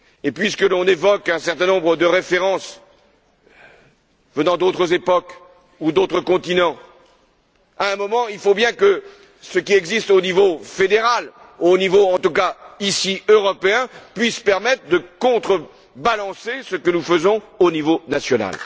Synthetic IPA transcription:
epɥiskəlɔ̃nevɔkɛ̃sɛʁt̪ɛ̃nɔ̃bʁəd̪əʁefeʁɑ̃s | vənɑ̃d̪ot̪χəzepɔk | ud̪ot̪χəkɔ̃t̪inɑ̃ | aɛ̃mɔmɑ̃ilfobjɛ̃kə | səkʲiɛɡzist̪onivofed̪eʁal | onivoɑ̃t̪ukaisiøʁɔpeɛ̃pɥispɛʁmɛt̪χəd̪əkɔ̃t̪χə | balɑ̃sesəkənufəzɔ̃onivonasjɔna̰l

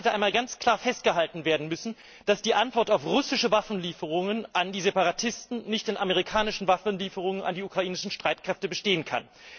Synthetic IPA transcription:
ɛtəʔaɪmaːlɡant͡skʰl̥aːɐfɛst̚ɡ̥əɦaltn̩veːɐdn̩mʏsn̩ | d̥asd̥iːʔantv̥ɔɐtaʊfʁʊsɪʃəvafn̩liːfəʁ̞ʊŋənʔandiːzepaʁatʰɪstn̩nɪçtd̥eːnʔameʁ̞ikʰaːnɪʃn̩vafn̩liːfəʁ̞ʊŋəna̰ndiːukʁ̥aʔiːnɪʃn̩ʃtʁ̥aɪtkʁ̥ɛftəbəʃteːənkʰa̰n

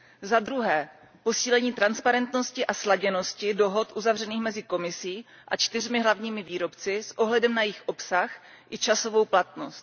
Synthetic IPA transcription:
zad̪ɾuɦɛː | po̞siːlɛɲiːt̪ɾanspaɾɛnt̪no̞scɪʔaslaɟɛno̞scɪdo̞ɦo̞t̪ʔuzavrɛniːxmɛzɪko̞mɪsiː | ʔat͡ʃt̪ɪr̝mɪɦlavɲiːmɪviːɾo̞pt͡sɪsʔo̞ɦlɛdɛmnajɪxʔo̞psaxʔɪt͡ʃaso̞vo̞wplat̪no̞st̪̚

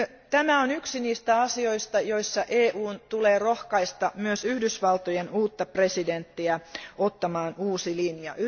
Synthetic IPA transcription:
t̪æmæonyksiniːst̪æɑsio̞ist̪ɑjoisːɑʔeːʔuːnt̪uleːrohkɑist̪ɑmyøsyhdysʋɑlt̪ojenuːt̪ːɑpre̞sident̪ːiæot̪ːɑmɑːnuːsilinjɑ̰y

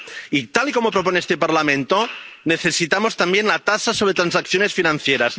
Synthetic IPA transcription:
it̪aliko̞mo̞pɾo̞p̬o̞neest̪epaɾlamẽnt̪one̞θe̞sit̪amost̪ambje̞nlat̪asaso̞β̞ɾet̪ɾansakθjo̞ne̞sfinãn̟θjeɾas

